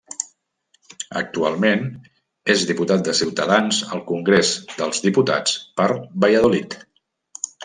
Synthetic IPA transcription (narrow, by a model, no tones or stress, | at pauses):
ə̰k̚t̪ua̰lˠmen | ezðiput̪at̪̚d̪əsiwt̪əðanzə̰lˠkuŋɡɾezd̪əlˠzðiput̪a̰t͡spəɾbəjəðolit̪